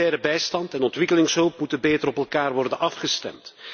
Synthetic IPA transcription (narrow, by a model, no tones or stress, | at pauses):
ɛːɾəbɛjstɑntɛnɔntʋɪkəlɪŋsɦɵlˠp̚mutənbeːtəɾɔpɛlˠkaːrʋɔrdənʔɑfχəstɛ̰mt